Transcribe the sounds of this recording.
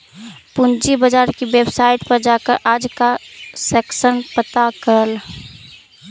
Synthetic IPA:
pund͡ʒibəd͡ʒaːɾkibebsaɪʈpəɾd͡ʒakəɾʔaːd͡ʒkasɛːksənpət̪akəɾəl

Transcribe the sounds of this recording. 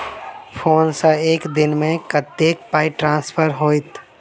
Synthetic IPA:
pʰoːnsəeːkd̪ɪnmẽkət̪ːeːk̚paːiʈɾãːnspʰəɾɦoːit̪

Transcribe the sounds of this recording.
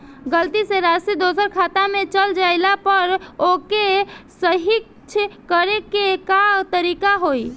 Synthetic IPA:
ɡəlt̪iseɾasid̪osəɾkʰat̪amet͡ʃəld͡ʒajlapəɾokesəɦik | t͡ʃʰkəɾekekat̪əɾikaɦoj

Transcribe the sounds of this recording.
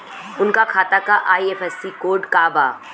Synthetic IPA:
ʊnkakʰaːt̪akaʔaːiefɛsːikoːɾɖkaːba̰ː

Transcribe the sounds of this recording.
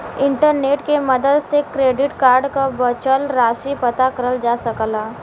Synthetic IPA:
ɪ̃ɳʈəɾneːʈkeməd̪əd̪sekɾeːɖɪʈkaːɾɖkabət͡ʃəlɾaːʃipət̪akəɾəld͡ʒaːsəklaː

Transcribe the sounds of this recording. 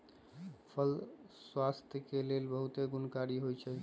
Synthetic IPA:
pʰəlswast̪ʰjəkelelbəɦut̪eɡunkaɾiɦojt͡ʃʰɛ

